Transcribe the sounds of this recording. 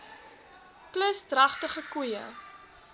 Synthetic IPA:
pləsdrɐχtəχəkujə̰

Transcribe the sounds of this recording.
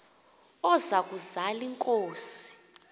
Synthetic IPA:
ɔzak̬ʼuzaliŋkʼoːsi̥

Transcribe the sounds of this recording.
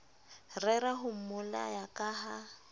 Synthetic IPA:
rɛɾaɦʊm̩mʊla̰jakʼaːɦa

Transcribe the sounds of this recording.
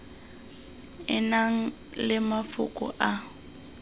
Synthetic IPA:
ɪnaŋ̩ | lɪmafʊ̰kʼʊ̰ʔa

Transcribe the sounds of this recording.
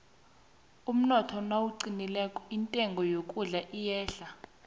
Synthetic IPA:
um̩nɔtʰɔnwawuǀinilɛkʼɔintʼɛŋɡʱɔjokʼuɮaʔijɛːɬa

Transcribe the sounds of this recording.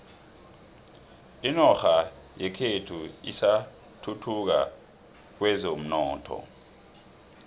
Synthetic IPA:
inɔxa | jɛkʰetʰuḭsa | tʰutʰuk̬a̰ | k̬wɛzom̩nɔːtʰɔ̰

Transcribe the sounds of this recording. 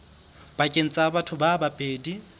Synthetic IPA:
b̥akʼen̩t͡sʼabatʰʊbabapʼeːdi

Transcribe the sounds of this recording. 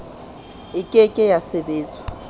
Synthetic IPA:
ikʼɛkʼɛjasɛɓɛːzʱa

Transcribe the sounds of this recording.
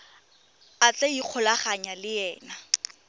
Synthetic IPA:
at͡ɬɛiq͡χʰʊlaχaɲalɪjɛːna

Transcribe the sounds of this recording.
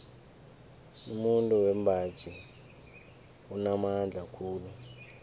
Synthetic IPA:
umuntʼuwɛmbʱḁt͡ʃʰʼi | unamand͡ɮʱakʰuːlu

